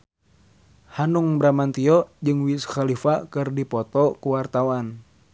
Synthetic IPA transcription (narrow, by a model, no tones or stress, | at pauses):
hanuŋbɾamant̪iɔd͡ʒɨŋwisxalifakɨrdipɔt̪ɔkuwart̪awan